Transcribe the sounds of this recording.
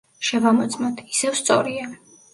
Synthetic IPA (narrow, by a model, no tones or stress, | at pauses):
ʃɛvamɔt̪sʼmɔt̪ʰi̥sɛvst̪sʼɔ̰ɾia